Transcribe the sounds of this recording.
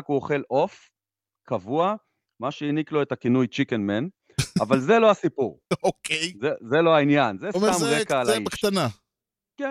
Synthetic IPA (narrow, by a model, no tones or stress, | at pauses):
kuoχe̞lʔo̞f | kʰavua | maʃeiniklo̞e̞t̪akinujt͡ʃikenmen | avalze̞loɦasipuʁokejzezelo̞ɦainjanzesamʁekaːlaikʃt̪ana | ken